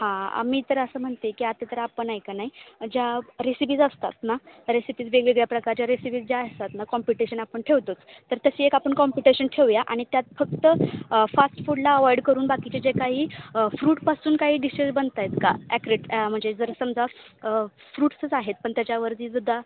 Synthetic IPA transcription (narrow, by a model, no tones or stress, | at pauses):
hã̰miːt̪əɾəsəːm̤əɳt̪ekiat̪et̪əɾapəɳajkanaɦid͡ʑaɾesipiːd͡zəst̪a̰t̪naɾesipiːd͡zʋeɡɭeɡɭjapɾəkaɾt͡ɕjaɾesipiːd͡zd͡ʑjaəst̪at̪nakɔmpiʈiɕənapəɳʈʰeʋt̪ot͡st̪ːəɾt̪əseekapəɳkɔmpiʈeɕənʈʰeʋjaʔa̰ɽ̃it̪jat̪̚fək̚t̪əfasʈfuɽlaəʋajɖkəɾuːnbakit͡ɕed͡ʑekaɦiːfɾuːʈpasuːnkaɦiːɖiɕezbənt̪ajt̪kaækɾeʈm̤əɳd͡zed͡zəɾsəmd͡za | fɾuːʈsət͡saɦet̪̚pəɳt̪jat͡ɕjaʋəɾd̪iːd͡zud̪ʱːa